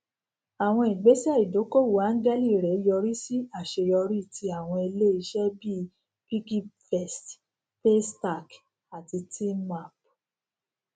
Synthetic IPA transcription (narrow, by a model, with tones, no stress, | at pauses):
a˨w̃ɔ̃˧i˨ɡ͡be˨˦si˦ɛ˦˨i˨do˨˦ko˦˨wu˨˦a˦ŋ̩˦ɡɛ˦li˦˨ɾɛ˨˦jɔ˧ɾi˦si˦a˦˨ʃe˧jɔ˧ɾi˦˨tʰi˧a˦˨w̃ɔ̃˧e˧le˦i˧ʃɛ˦bi˦ | pi˦ki˦pfɛ˦˨st | pe˦sta˦˨k | a˨ti˧tʰi˦ma˦˨p